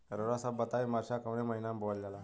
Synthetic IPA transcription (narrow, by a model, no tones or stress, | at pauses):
ɾəɾasabət̪aʋimaɾɕakəʋneməɦinambʱoəllala